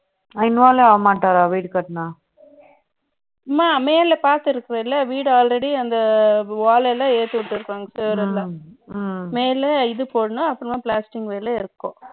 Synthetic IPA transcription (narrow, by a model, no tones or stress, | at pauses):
ɐɪnʋaːleɐʋɐmaːʈːaːɾãːʋiːɽɯkɐʈːnãː | maːmeːlɛpaːɾt̪ɪɾɯkːɪɾɐ̃ɪlːɐʋiːɽaːlɾɛɽiɐnd̪ɐʋaːlɛlːãːeːt̪ːɯʋɪʈːɯɾɯkːaːŋɡɐseːɾɛlːãː | meːlɛɪðɯpoːɽɐnʊ̃ɐpːɐnɐmãːpɭaːsʈɪŋɡʋeːlɐɪɾɯkːõ